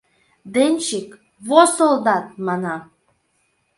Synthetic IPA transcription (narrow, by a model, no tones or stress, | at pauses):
d̪enʲt͡ɕik | βosolˠd̪ɑt̪̚mɑnɑ